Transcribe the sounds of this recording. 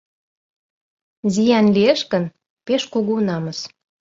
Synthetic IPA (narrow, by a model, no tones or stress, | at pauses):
zijɑnlieʃkən | peʃkuɣunɑməʃ